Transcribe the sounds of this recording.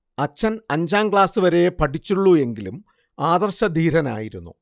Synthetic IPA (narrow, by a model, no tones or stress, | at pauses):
ɐt͡ɕːɐnɐɲd͡ʑaːmkɭaːsɨʋɐɾe̞pɐʈʰit͡ɕːuɭːue̞ŋɡilum | aːd̪ɐrɕɐd̪ʱiːɾɐna̰ːjiɾunːṵ